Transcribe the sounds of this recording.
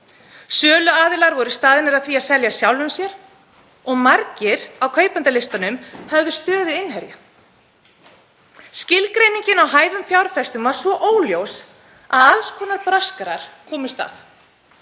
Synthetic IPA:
sœːlʏaːðɪlaɾvɔɾɪst̪aːðɪnɛɾaðθviːaðsɛljasjawlʏmsjɛɾ̥ | ɔɣmaɾcɪɾawkʰœːɥjpant̪alɪst̪anʏmhɛvðʏst̪œːðʏɪnɦɛɾja | scɪlkɾejniɲcɪnawɦaːjðʏmfjawɾfɛst̪ʏmvaɾ̥svɔʔoːwljows | a̰ðalskʰɔːnaɾpɾaskaɾaɾ̥kʰɔːmʏst̪a̰θ

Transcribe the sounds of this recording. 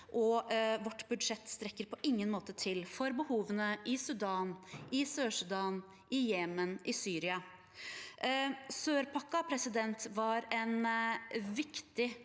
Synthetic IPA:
ʔɔʋɔʈːbʉd̪ʂɛt̪ːst̪ɾɛkːəɾpʰɔʔɪŋːənmoːt̪ət̪ʰɪlfɔɾbəhuːʋənəʔɪsʉɖ̪ɑːnʔɪsøːʂʉd̪ɑːn | ɪjɛːmənʔɪsyːɾɪɑ | søːɾpʰɑkːɑpʰɾɛsɪd̪ɛnt̪ʋɑɾɛn | ʋɪkt̪ɪ

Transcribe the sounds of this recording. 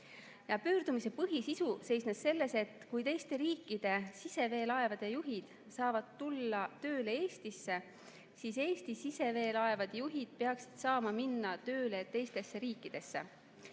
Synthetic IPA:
jɑpyːɾd̪umise̞pɤɦisisuse̞jsnesse̞lːe̞se̞t̪ːkujt̪e̞jst̪e̞ɾiːkːid̪̥e̞sise̞ve̞ːlɑe̞vɑd̪̥e̞juɦid̪̥ | sɑːvɑd̪̥t̪ːulːɑt̪ø̞ːlee̞ːst̪isːe̞ | sise̞ːst̪isise̞ve̞ːlɑe̞vɑd̪̥juɦid̪̥̚peɑksi̥d̪̥sɑːmɑminːɑt̪ø̞ːlet̪e̞jst̪e̞sːe̞ɾiːkːˑid̪̥e̞sːe̞̰

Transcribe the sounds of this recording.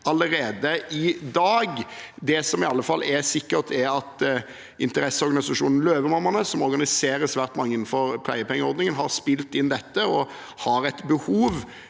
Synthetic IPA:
ɑləɾeːd̪əʔɪd̪ɑːɡd̪ɛsɔmɪɑlːəfɑlːɛsɪkːəʁt̪ʰɛɾɑt̪ | ʔɪ̰nt̪əɾɛsːəɔɾʁɡɑnɪsɑʂuːnn̩løːʋəmɑmːɑnəsɔmɔɾɡɑnɪseːɾəsʋæːɾt̪mɑŋːəɪnn̩fɔɾpʰlæ̰ɪəpʰɛŋːəɔɾd̪nɪŋənɦɑʁspɪlt̪ɪnːd̪ɛt̪ːəɔ | hɑɾɛt̪bəhuːʋ

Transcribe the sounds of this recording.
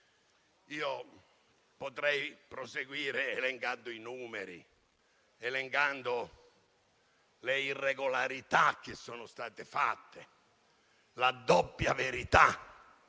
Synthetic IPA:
iːo | pot̪ɾɛjpɾoseɡwiːɾɪɛlɛŋkand̪oinuːmeɾḭ | ɛleŋkand̪o | leirːɛɡolaɾit̪ak̟ːesːɔːnʊst̪aːt̪ɪfat̪ːe | lad̪ɔpːjaveɾit̪a

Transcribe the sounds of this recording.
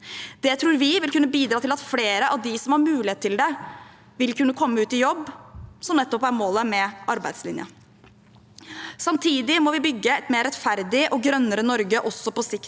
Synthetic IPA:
d̪̥ɛt̪ʰɾuːɾʋɪʋɪlkʉnːəbiːd̪ɾɑːt̪ʰɪlɑt̪fleːɾəʔɑʋd̪ɪsɔmhɑɾmʉːlɪeːt̪ʰːɪld̪ɛ | ʋɪlkʉnːəkʰɔmːəʉːt̪ɪjɔbːsɔmnɛt̪ːɔpæɾmoːləmɛʔɑɾbæ̰ɪd̪slɪnjə̰ | sɑmt̪ʰiːd̪ɪmɔʋɪbʏɡːəɛt̪meːɾɛt̪fæɾd̪ɪʔɔɡɾœnːəɾənɔɾɡəʔɔsːɔpɔsɪk̪

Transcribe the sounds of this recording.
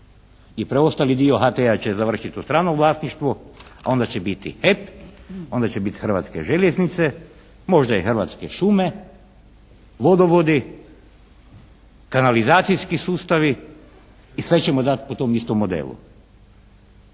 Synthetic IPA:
ipɾeo̞st̪alid̪io̞xat̪eat͡ɕe̞zaʋr̩ʃit̪ust̪ɾaːnoʋlˠaːst̪niʃt̪ʋoao̞nd̪at͡ɕebit̪ḭhepo̞nd̪at͡ɕebit̪xrʋa̰t̪ske̞̰ʒe̞lʲeznit̪se | mo̞ʒd̪aixr̩ʋat̪ske̞ʃume̞ | ʋo̞d̪o̞ʋo̞d̪i | kanalizaːt̪sijskisuːst̪aʋiː | sʋe̞t͡ɕe̞mod̪at̪pot̪o̞mist̪omːo̞d̪ḛːlṵ

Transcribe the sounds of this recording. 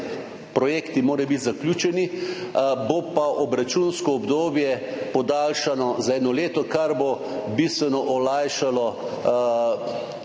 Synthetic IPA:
pɾɔjeːkt̪imoːɾajbit̪zaklʲuːt͡ʃɛni | bopaʔɔbɾat͡ʃunskɔːbd̪oːbjɛpɔd̪aːlʃanɔzaɛːnɔleːt̪ɔkaɾbo | bist̪ʋɛnɔʔɔlajʃalɔ

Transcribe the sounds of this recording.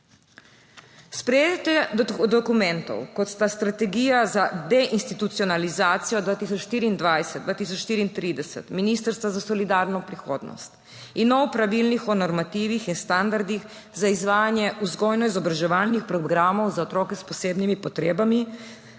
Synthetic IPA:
spɾɛjeːd̪t̪ɛd̪ɔkumɛ̃nt̪ɔ̰wkɔt̪st̪ast̪ɾat̪ɛɡijazad̪ɛʔinst̪it̪ut̪siɔnalizaːt̪sijɔd̪ʋaːt̪isɔt͡ʃʃt̪iːɾiːnd̪ʋajsɛd̪d̪ʋaːt̪is̬ɔt͡ʃʃt̪iːɾiːnt̪ɾiːd̪ɛsɛ̰t̪miniːst̪əɾst̪ʋazasɔlid̪aɾnɔpɾixoːd̪nɔ̰st̪ | inːɔwpɾaʋilnixɔnɔɾmat̪iʋixinst̪and̪aɾd̪ix | zaizʋaːjanjɛʔuzɡɔjnɔizɔbɾaʒɛʋalnixpɾɔɡɾamɔwzaot̪ɾɔːkɛspɔseːbnimipɔt̪ɾeːbami

